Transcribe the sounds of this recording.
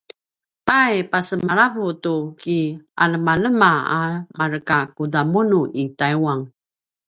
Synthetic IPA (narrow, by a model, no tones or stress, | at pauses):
pajpasəmaɾavutukia̰ləmaləmaamaɾəkakudamunuʔitajwaŋ